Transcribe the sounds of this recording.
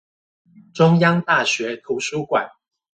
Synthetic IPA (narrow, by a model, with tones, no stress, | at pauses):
ʈ͡ʂʊ˥ŋjɑ˥ŋt̪a˥˩ɕɥɛ˨˥t̪ʰu˨˥ʂu˥kwa̰˨˩˦n